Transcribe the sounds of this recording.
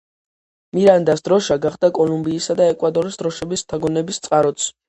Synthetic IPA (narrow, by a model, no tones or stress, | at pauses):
miɾand̪asd̪ɾɔʃaɡaχd̪akʼɔlumbiːsad̪aɛkʼwad̪ʼɔɾisd̪ɾɔʃɛbist̪ʰaɡɔnɛbist̪sʼqʼaɾɔt̪s